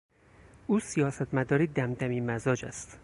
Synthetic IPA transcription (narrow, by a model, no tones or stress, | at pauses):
ʔuːsijɒːsæt̪ʰmæd̪ɒːɾiːd̪æmd̪æmiːmæzɒːd͡ʒæ̰st̪